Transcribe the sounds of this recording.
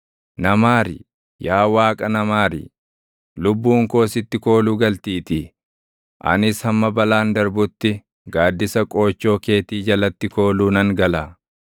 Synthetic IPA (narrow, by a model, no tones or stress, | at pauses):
nɐmaːɾḭ | jaːwaːkʼɐnɐmaːɾḭ | lʊbːuːŋko̞ːsɪt̪ːɪko̞ːluːɡɐlt̪iːt̪i | ʔɐ̰nɪshɐmːɐbɐlaːnd̪ɐɾbʊt̪ːɪ | ɡaːd̪ːɪsɐkʼo̞ːt͡ʃːo̞ːke̞ːt̪iːd͡ʒɐlɐt̪ːɪko̞ːluːnɐŋɡɐlaː